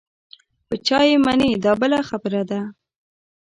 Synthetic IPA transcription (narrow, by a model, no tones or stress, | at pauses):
pət͡ʃɑjemanid̪ɑbəlaxabəɾad̪a